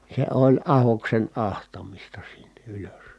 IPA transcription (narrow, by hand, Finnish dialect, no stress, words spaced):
se olʲ ɑhoksen ɑhtɑmistɑ sin̥ːe̥ ʔyløs